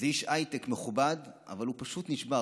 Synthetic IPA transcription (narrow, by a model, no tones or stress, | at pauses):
zejiʃajt̪ekmeχubadʔa̰valupaʃut̪niʃba